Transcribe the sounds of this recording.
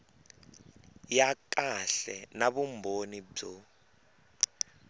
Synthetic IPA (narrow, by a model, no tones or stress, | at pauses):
jak̬ʼaɬɛnaβumbʱonib͡ʐo